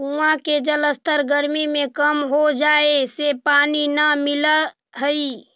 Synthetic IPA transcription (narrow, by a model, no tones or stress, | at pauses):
uãked͡ʒələst̪ʰəɾɡəɾmimẽkəmɦod͡ʒaːesepaːninəmɪla | ɦəi